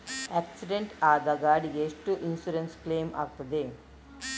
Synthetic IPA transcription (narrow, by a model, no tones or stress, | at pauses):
æksiɖeɳʈaːd̪ɐɡaːɖijeːsʈuʔinsuɾenskleːma̰k̚t̪ɐd̪e